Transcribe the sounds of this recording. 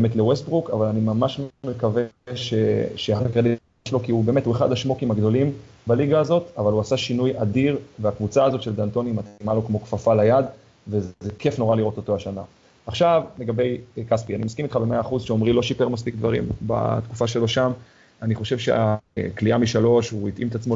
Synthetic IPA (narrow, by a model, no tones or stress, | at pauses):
bemet̪lewest̪̚bʁukavalanimamaʃmmekaveʃeʃeaɦkʁeli | ʃlo̞kiubeme̞thue̞χa̰dhaʃmo̞kimaɡd̪o̞lim | baliɡaːzo̞t̪avaluasaʃinujadiʁveakvut͡saːzo̞tʃe̞ld̪ant̪o̞nimat͡simalo̞kmo̞kfafalajad̪ | vezekefno̞ʁaliʁo̞t̪o̞t̪o̞haʃana̰ | aχʃavleɡabe̞jkaspianimaskimit̪χabeme̞aːχuzʃeo̞mʁiloʃipeʁmas̬pikd̪vaʁimba̰t̪kufaʃelo̞ʃam | aniχo̞ʃe̞vʃḛakliamiʃalo̞ʃuit̪ʔimet̪at͡smo